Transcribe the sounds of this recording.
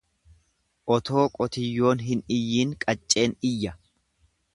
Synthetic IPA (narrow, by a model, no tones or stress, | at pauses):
ʔɔt̪o̞ːkʼɔt̪ɪjːo̞ːnɦɪnɪjːiːŋkʼɐt͡ʃʼːe̞ːnɪjːɐ